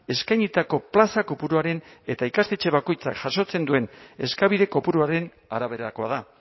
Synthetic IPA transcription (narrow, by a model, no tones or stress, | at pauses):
e̞skajɲit̪ako̞plasako̞puɾuaɾe̞ne̞t̪aikast̪e̞t͡ʃe̞βako̞jt͡sakʝaʃo̞t͡se̞nd̪ue̞ne̞skaβiðe̞ko̞puɾuaɾe̞n | aɾaβ̞e̞ɾako̞aða